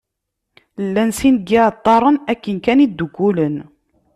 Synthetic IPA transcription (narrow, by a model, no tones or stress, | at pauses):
lːænsinɡit̪ˤːɑɾˤənækːənkænid̪ːuɡulən